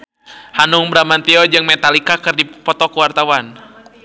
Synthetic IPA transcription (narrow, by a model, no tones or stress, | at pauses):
hanuŋbɾamant̪iɔd͡ʒɨŋmɛt̪alikakɨrdipɔt̪ɔkuwart̪awan